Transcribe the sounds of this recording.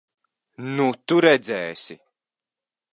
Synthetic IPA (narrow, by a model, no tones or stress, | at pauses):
nut̪uɾɛd̪zɛːsi